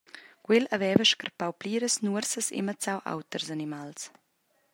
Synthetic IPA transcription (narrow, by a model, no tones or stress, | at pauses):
kwelavɛːvəʃkərpawpliːɾəsnuəɾsəsḛmat͡sawʔa̰wt̪ərsanimals